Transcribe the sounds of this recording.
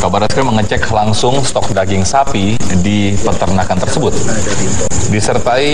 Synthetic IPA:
kabaɾaskaɾiməŋət͡ʃɛklaŋsʊŋst̪ɔk̚daɡɪŋsapidi | pət̪ərnakant̪ərsəbʊt̪̚ | disərt̪ai

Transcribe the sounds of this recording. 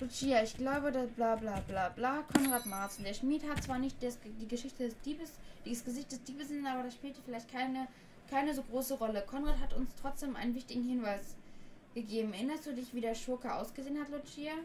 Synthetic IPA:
lʊt͡ʃiːaɪçɡ̥laʊbədasblaːblaːblaːblaːkʰɔnʁaːtmaɐsndeːɐʃmiːthatt͡sv̥aːɐnɪçt̚d̥ɛsdiːɡəʃɪçtədɛsd̥iːbəsd̥iːsɡ̥əzɪçt̚d̥ɛsd̥iːbəsɪnnʔaːbɐɾasʃpiːltəfɪlaɪçt̚kʰaɪnə | kʰaɪnəzoːɡʁoːsəʁɔləkʰɔnʁaːtɦatʊnstʁ̥ɔt͡sd̥eːmʔa̰ɪnənvɪçtɪɡŋ̩hɪnvaɪsɡ̥əɡeːbm̩ɛʔɪnɐstd̥uːdɪçv̥iːdeːɐʃʊɐkɐʔa̰ʊsɡ̥əzeːənhatlʊt͡ʃiːa

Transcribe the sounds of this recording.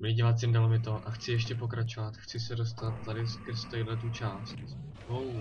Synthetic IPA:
iɟɪvat̪sɪmdalomɪt̪oʔaxt͡sɪjɛʃ̬cɛp̬o̞kɾat͡ʃo̞vat̪xt͡sɪsɛdo̞s̬t̪at̪̚ːadɪskəɾst̪ajdlɛt̪ut͡ʃaːst̪ | ɦow

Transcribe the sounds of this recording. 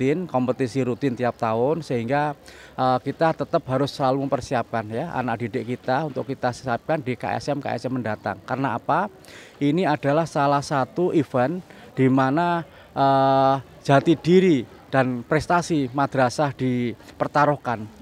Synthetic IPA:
t̪ɪnkɔmpət̪isiɾut̪ɪnt̪iap̚t̪aʊnsəɦiŋɡaʔəkit̪at̪ət̪əpɦaɾʊsəlaluməmpərsiap̚kanjaʔa̰nak̚d̥idɪʔkit̪aunt̪ʊkːit̪asəap̚kandika̰ʔɛ̰sɛmka̰ɛ̰sɛmːəndat̪a̰ŋkarənaːpa | ʔiniad̥a̤lahsalahsat̪uʔifɛn | d̥imana | ʔə̥ | d͡ʒ̥at̪idiɾi | d̥anpɾɛst̪asimad̥ɾasahd̥ipərt̪aɾɔhkan

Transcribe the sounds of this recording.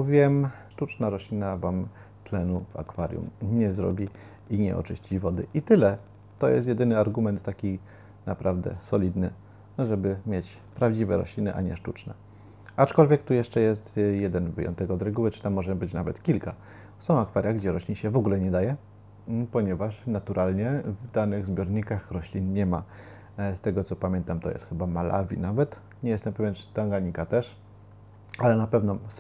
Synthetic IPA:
uvʲiwɛmʂtut͡ʂnaɾɔɕlʲinavam | t̪lɛnuva̰kfaɾjṵmɲɛzɾɔ̰bʲi | iɲɛ̰ʔɔ̰t͡ʂɘɕt͡ɕivɔd̪ɘʔit̪ɘlɛ | t̪ɔjɛ̰st̪jɛd̪ɘnɘaɾɡumɛnt̪ːakʲi | napɾʔavd̪ɛ̰sɔlʲid̪nɘ | ʐɛbɘmʲjet͡ɕ | pɾavd͡ʑivɛɾɔ̰ɕlʲinɘʔa̰ɲɛʂtut͡ʂnɛ̰ | at͡ʂkɔlvʲjɛkt̪ujɛʂt͡ʂɛjɛst̪jɛd̪ɛnvɘ̰jɔ̰nt̪ɛkɔd̪ɾɛɡuwɘt͡ʂɘ̥t̪amːɔʐɛbɘt͡ɕnavɛt̪kʲilka | sɔ̃w̃akfaɾʲjaɡd͡ʑɛɾɔɕlʲiɕɛvɔɡulɛɲɛd̪ajɛ | pɔɲɛvaʂnat̪uɾʔalɲɛvd̪anɘɣzbʲjɔɾɲikaxɾɔɕlʲinɲɛma̰ | st̪ɛɡɔt̪sɔpamʲjɛnt̪amt̪ɔ̰jɛ̰st̪xɘbamalʔa̰vʲḭnavɛt̪ | ɲɛjɛst̪ɛmpɛvʲjɛn̥t̪aŋɡaɲikat̪ɛʂ | alɛnapɛvnɔ

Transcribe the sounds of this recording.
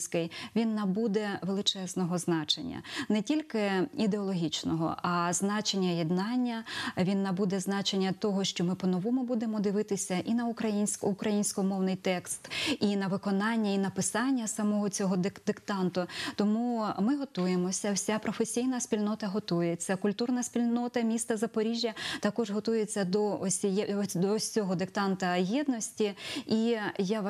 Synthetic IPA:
sʲkɪjʋʲinːɐbud̪ɛʋelˠɪt͡ʃɛznɔɦɔznɑt͡ʃḛnʲːɐ̰nɛtʲilʲkɪid̪eɔlˠɔɦʲit͡ʃnɔɦɔ̰ʔɐznɑt͡ʃenʲːɐjɛd̪nɑnʲːɐʋʲinːɐbud̪ɛznɑt͡ʃenʲːɐt̪ɔɦɔʃt͡ʃɔmɪpɔnɔʋɔmʊbud̪emɔd̪ɪʋɪt̪ɪsʲɐʔinɐʊkɾɐjinʲsʲkʊkɾɐjinʲsʲkɔmɔwnɪjt̪ɛkst̪inɐʋɪkɔnɑnʲːɐinɐpɪsɑnʲːɐsɐmɔɦɔt͡sʲɔɦɔd̪d̪ɪkt̪ɑnt̪ʊt̪ɔmumɪɦɔt̪ujemɔsʲɐwsʲapɾɔfesʲijnɐsʲpʲilʲnɔt̪ɐɦɔt̪ujet͡sʲːɐkʊlʲt̪urnɐsʲpʲilʲnɔt̪ɐmʲist̪ɐzɐpɔɾʲiʒʲjɐt̪ɐkɔʒɦɔt̪ujet͡sʲːɐd̪ɔɔsʲjd̪ɔɔɦɔd̪ɪkt̪ɑnt̪ɐjid̪nɔsʲtʲiija

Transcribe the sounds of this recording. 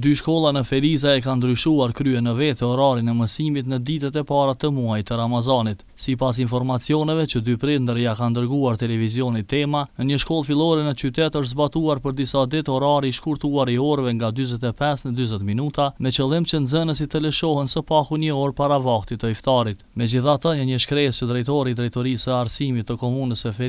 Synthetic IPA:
d̪yʃkɔlˠanəfɛɾizaɛkand̪ɾyʃuaɾkɾyɛnəvɛt̪ɛɔɾaɾinɛməsimit̪nəd̪it̪ɛt̪ɛpaɾat̪əmuajt̪əɾamazɔnit̪ | sipas̬infɔɾmat͡siɔnɛvɛt͡ʃəd̪ypɾind̪əɾijakand̪əɾɡuaɾt̪ɛlɛvizjɔnit̪ɛmanəɲəʃkɔlˠfilˠɔɾɛnət͡ʃyt̪ɛt̪əʃ̬t̪zbat̪uaɾpəɾd̪isad̪it̪ɔɾaɾiːʃkuɾt̪uaɾiɔɾvɛŋɡad̪yzɛt̪̬ɛpɛsnəd̪yzɛt̪minut̪amɛt͡ʃəlˠimt͡ʃənzənəs̬it̪ələʃɔhɛnsəpakuɲəɔɾpaɾavaht̪it̪əift̪aɾit̪mɛd͡ʑiθat̪əɲəɲəʃkɾɛst͡ʃəd̪ɾɛjt̪ɔɾid̪ɾɛjt̪ɔɾisəaɾsimit̪ːəkɔmunəsəfɛ

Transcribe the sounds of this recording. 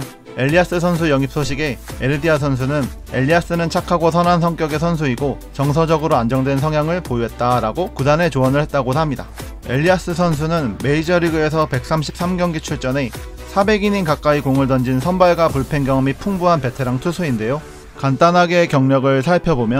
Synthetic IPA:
e̞ʎːias͈ɯsʰʌns̬ʰujʌŋip̚s͈ʰoɕʰiɡe̞eɾɯdias̬ʰʌns̬ʰunɯn | e̞ʎːias͈ɯnɯnt͡ɕʰakʰaɡosʰʌnɦans̬ʰʌŋk͈jʌɡe̞sʰʌns̬ʰuiɡo | t͡ɕʌŋs̬ʰʌd͡ʑʌɡɯɾoand͡ʑʌŋdwe̞nsʰʌŋjaŋɯɭpojuet̚t͈aɾaɡokudane̞t͡ɕoʌnɯɭhe̞t̚t͈aɡosʰamɲida̰ | e̞̰ʎːias͈ɯsʰʌns̬ʰunɯnme̞id͡ʑʌɾiɡɯe̞s̬ʰʌpe̞k̚s͈amɕʰip̚s͈amɡjʌŋɡit͡ɕʰuɭt͡ɕ͈ʌne̞ | sʰabe̞ɡiɲinkak̚k͈aikoŋɯɭtʌnd͡ʑinsʰʌnbaɭɡapuɭpʰe̞ŋɡjʌŋʌmipʰuŋbuɦanpe̞tʰeɾaŋtʰusʰuinde̞jo | kant͈anɦaɡe̞kjʌŋɲʌɡɯɭsʰaɭpʰjʌbomjʌ

